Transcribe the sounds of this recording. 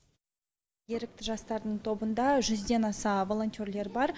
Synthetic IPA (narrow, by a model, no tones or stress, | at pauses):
e̞ɾɪk̚t̪ɪʒɑst̪ɑɾd̪əɴt̪ʰo̞bənd̪ɑʒʏzd̪e̞nɑsɑvo̞lˠo̞nt̪ʲorle̞ɾbɑɾ